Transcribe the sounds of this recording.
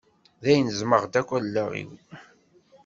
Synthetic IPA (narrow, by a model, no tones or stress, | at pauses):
ðæjnəzməʁd̪ækʷːællːæʁḭw